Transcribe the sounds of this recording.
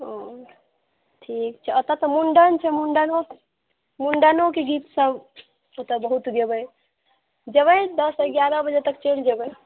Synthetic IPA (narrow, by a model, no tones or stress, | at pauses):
o | ʈʰik̚t͡ʃʰɛot̪ət̪əmuɳɖənt͡ʃʰɛmuɳɖano | muɳɖanokeɡit̪səb | ot̪əbəɦut̪ɡebəj | d͡ʒəβəjd̪əsəɡjaɾəbəd͡ʒet̪əkt͡ʃeɽ̤d͡ʒebəj